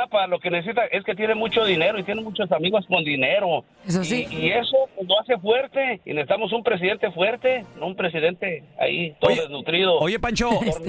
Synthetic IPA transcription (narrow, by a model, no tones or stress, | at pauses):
apalo̞keneses̬it̪aʔe̞sket̪̬je̞ne̞mut͡ʃo̞ðine̞ɾo̞it̪je̞nemut͡ʃos̬amiɣosko̞nd̪ineɾo̞ | esasiie̞so̞pezloase̞fwe̞ɾt̪e̞ḭnesit̪amo̞s̬umpɾe̞s̬iðe̞nt̪e̞fwe̞ɾt̪e̞noumpɾe̞s̬iðe̞nt̪e̞a̰ḭt̪oðoðeznut̪ɾiðo̞ojepant͡ʃooɾ